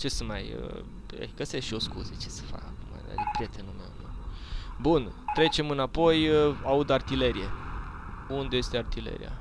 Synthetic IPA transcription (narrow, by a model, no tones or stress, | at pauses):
t͡ʃe̞səmajə | ḛɡ̥əsesʃio̞skuzet͡ʃe̞̥sə̥fa̰kakuma̰a̰ɾepɾʲije̞t̪enumḛwn | bunt̪ɾe̞t͡ʃe̞mɨnapo̞jaud̪art̪ile̞ɾie | und̪e̞je̞st̪eart̪ile̞̰ɾḭja̰